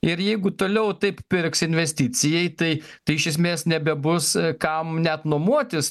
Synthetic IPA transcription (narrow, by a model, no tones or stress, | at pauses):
ɪɾjɛɪɡʊt̪oːlʲɛʊt̪ɐɪppʲɪɾksɪnʲʋʲɛsʲt̪ʲɪt͡sʲɪjɛɪt̪ɐɪt̪ɐɪɪʃʲɛs̬ʲmʲeːsnʲɛbʲɛbʊskɐmnʲɛt̪noɔmuɔt̪ʲɪs